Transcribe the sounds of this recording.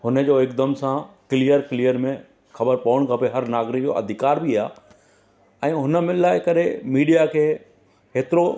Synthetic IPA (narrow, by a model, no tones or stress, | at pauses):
hʊnə̆d͡ʑoːɪkd̪əmsãklijəɾklijəɾmẽ | xɐbəɾpɐʋəɽ̃kʰãpoeɦɐɾnaːɡɾɪkd͡ʑo̰ːʔɐ̰d̪ʱɪkaːɾbʱiaː | ɛ̃ːɦʊnə̆mɪ̃laːɪkɐɗemiːɗijakʰeː | heːt̪ɪɾo